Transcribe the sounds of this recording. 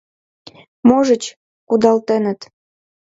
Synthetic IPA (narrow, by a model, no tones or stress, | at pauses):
moʒə̆t͡ɕ | kud̪ɑlt̪enə̆t̪